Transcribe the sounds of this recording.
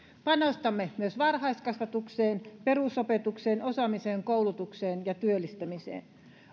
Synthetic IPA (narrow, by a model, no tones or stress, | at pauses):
pɑnost̪ɑmːemyøsʋɑrhɑistkɑsʋɑt̪ukseːnperusopet̪ukseːnosɑmiseːŋkoulut̪ukseːnjɑt̪yølːˑist̪æmisḛːn